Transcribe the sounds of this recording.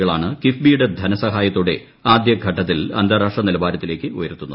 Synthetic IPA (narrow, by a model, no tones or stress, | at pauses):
ɐɭaːɳɨkifbiːjuɽe̞d̪ʱɐnɐsɐɦaːjɐt̪ːuɽe̞̰ | aːd̪jɐɡʱɐʈːɐt̪̬ːilɐ̰nd̪ʱɐːɾaːʂʈrɐnilɐbaːɾɐt̪ːile̞ːkʲːɨojɐ̰ɾut̪ːunːɐ